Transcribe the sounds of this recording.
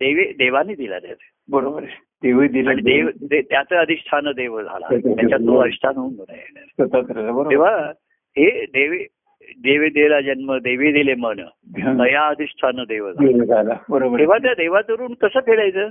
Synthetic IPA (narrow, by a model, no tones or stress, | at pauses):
d̪eʋed̪eʋanːiːd̪ila̰t̪ja̰t̪ | bəɾobəɾe | d̪̥eʋəd̪ilanid̪eʋd̪et̪jat͡s̪əəd̪ʱist̪ʰanəd̪eʋəd͡zʱa̰la̰jat͡ɕaoəist̪ʰanəunbona̰jḛnəsət̪akəɾalabəɾoeʋ̤a | ɦed̪eʋe | d̪eʋed̪elad͡ʑanməɡd̪eʋed̪ilemənə̰ | ɦnəjaəd̪ʱist̪ʰanəd̪eʋəd͡zaeʋd͡zʱalabəɾobəɾeʋ̤at̪ad̪eʋat͡səɾuːnkəsəːpʰeɭajt͡səː